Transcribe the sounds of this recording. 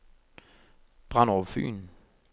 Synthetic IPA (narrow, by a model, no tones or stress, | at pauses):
b̥ʁanɔʋfy̰ːn